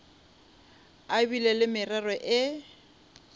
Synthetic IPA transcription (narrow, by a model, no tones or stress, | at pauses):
abilɛlɪmɪrɛrɔʔɪ